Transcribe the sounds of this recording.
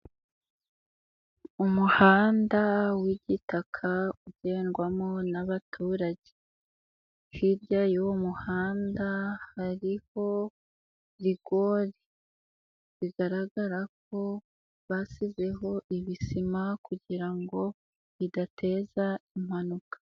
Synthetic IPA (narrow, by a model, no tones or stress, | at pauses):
umuhaːndawiɟitakʰauɟ̥e̞ːnɡwamonaβatʰuːɾaɟe | hiɾɟajowomuhaːndahaɾiho̞ | ɾiɡ̥o̞ɾi | βiɡaɾaɡaɾak̚o̞ | βasize̞ɦo̞ʔiβisimakuɟiɾaŋɡo̞ | βidatʰe̞ːzaim̥hanukḁ